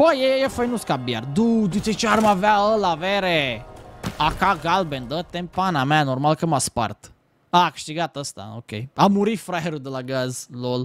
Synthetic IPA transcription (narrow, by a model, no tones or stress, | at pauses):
bəjejefəjnuskabja̰ɾd̪ud̪iset͡ʃaɾmavaəlaveɾe | akaɡalbend̪ət̪ːẽmpanamanoɾmalkəmaspa̰rt̪ | akɨ̥ʃt̪iɡat̪əst̪a̰o̰kḛjamuɾifɾaeɾud̪əlaɡazlol